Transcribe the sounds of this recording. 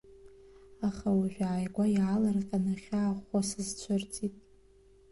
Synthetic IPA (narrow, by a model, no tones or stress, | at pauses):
aχawaʒᶣʷaːjɡʷajʕalarqʲʼanɨχʲaːχasɨzt͡sʷʰʊrt͡sʼitʼ